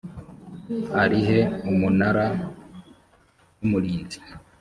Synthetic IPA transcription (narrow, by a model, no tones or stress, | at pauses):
haɾiɦe̞umunaɾa | numuɾiːnzi̥